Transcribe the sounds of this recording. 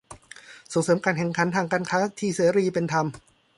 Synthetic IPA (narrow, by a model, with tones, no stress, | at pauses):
so˨˦ŋsɤː˩˦mkaː˧nkʰɛ˨˩˦ŋkʰa˩˦nt̪ʰaː˧ŋkaː˧nkʰaː˦˥t̪ʰiː˥˩seː˩˦ɾiː˧pe˧nt̪ʰa˧m